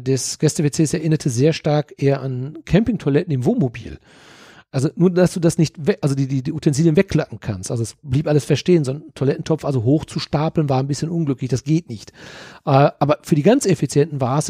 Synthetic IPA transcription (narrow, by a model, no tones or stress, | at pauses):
dɛsɡ̥ɛstəvet͡seːsɛɐʔɪnɐtʰəzeːɐʃtaɐkʔeːɐʔankʰɛmpɪŋtʰoɐlɛtn̩ɪmvoːnmobḭːl | ʔalzonuːɐdasd̥uːdasnɪçtvɛʔalzodiːdiːdiutʰɛnziːljənvɛkːl̥apŋ̩kʰanstʔalzoɛsb̥liːpʔaləsfɛɐʃteːənzontʰoɐlɛtn̩tʰɔp͡ffalzoɦoːxt͡suʃtaːpl̩nvaːɐnbɪsçənʔʊnɡlʏklɪçd̥asɡ̥eːtnɪçtʔɛʔaːbɐfyːɐdiːɡant͡sefit͡sjɛntn̩vaːɐs